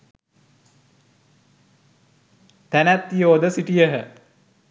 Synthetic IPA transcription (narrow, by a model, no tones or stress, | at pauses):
t̪ænæt̪ːijoːd̪əsiʈijəɦə